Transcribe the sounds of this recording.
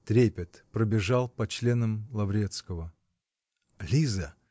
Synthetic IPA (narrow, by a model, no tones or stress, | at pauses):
t̪ɾʲepʲɪt̪pɾəbʲɪʐalˠpɐt͡ɕlʲe̞nəmlˠɐvɾʲe̞t̪skəvə | lʲizə